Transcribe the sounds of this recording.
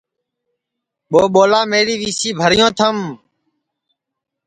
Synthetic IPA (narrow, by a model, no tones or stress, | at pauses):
ɓoːɓoːlaːmeːɾiːʋiːsiːbʱəɾɪjõːt̪ʰəm